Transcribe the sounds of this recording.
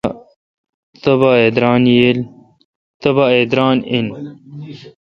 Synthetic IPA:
t̪ɐbaed̪ɾaːnjel | t̪ɐbaed̪ɾaːnin

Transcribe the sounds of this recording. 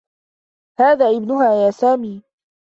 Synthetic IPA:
haːðaːʔɪbnʊɦaːjaːsaːmiː

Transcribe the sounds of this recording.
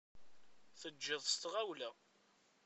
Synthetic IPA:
θəd͡ʒːɪðˤst̪ʁæwlæ

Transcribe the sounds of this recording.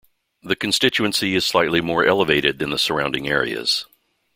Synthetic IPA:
ðɨkɨ̃n̩stɪt͡ʃʉɨ̃nsiɨz̥slaɪtˡlimɔɹʔɛlˠəveɪɾɨd̪̚ðɨ̃nðəsə˞ãʊ̃ndɪ̰̃ŋɛɹḭɨ̰z̥

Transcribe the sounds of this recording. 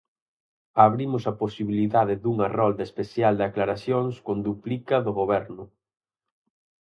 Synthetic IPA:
aβɾimʊsɐposiβiliðaðɪðuŋarɔld̪espeθjald̪aklaɾaθjoŋskond̪uplikɐðʊɣoβɛɾnʊ

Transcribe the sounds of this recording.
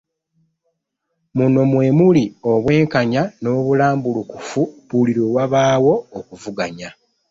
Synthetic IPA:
muno̞mwe̞mulio̞βwe̞ːŋkaɲano̞ːβulaːmbulukufuβuliɾoːwaβaːwo̞ːkuvuɡaɲa

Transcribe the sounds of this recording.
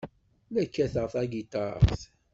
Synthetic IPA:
nækːæθəʁfæɡit̪ɑɾ̰ˤθ

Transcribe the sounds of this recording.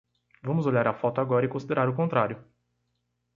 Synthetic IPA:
vɐ̃mʊzoʎaɾɐfɔt̪ʊaɡɔɾɐɪkõsid̪eɾaɾʊkõnt̪ɾaɾjʊ

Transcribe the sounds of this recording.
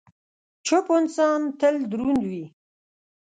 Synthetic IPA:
t͡ʃʰopont͡sɑːnt̪əld̪ɾund̪wi

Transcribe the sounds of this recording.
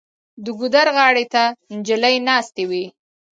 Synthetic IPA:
d̪əɡʊd̪aɾɣɑɽet̪and͡ʒələjnɑst̪ewi

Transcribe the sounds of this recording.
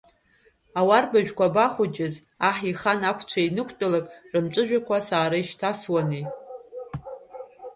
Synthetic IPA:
awarbaʒᶣkʷabaχʷʊd͡ʒʼɪz | aħiχanakʷʰt͡ʃʷʰainɨkʷʰʼt͡pʼalakʼrɨmt͡ʃʷʼɨʒᶣakʷʰasaːɾaiʃtʰaswane

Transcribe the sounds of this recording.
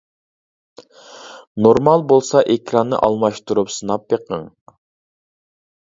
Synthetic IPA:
noɾmɑlˠbolˠsɑʔekʰɾɑnːɨ̰ʔɑlˠmɑʃt̪uɾupsɨnɑpːeqʰə̰ŋ

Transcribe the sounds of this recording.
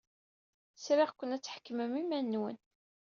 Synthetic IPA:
sɾiʁkʷːənæt͡sːħə̥kːəməmimænːwə̰n

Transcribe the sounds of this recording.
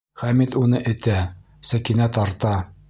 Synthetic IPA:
χæmit̪unɤʔɘ̆t̪æ | sækinæt̪ɑɾt̪ɑ

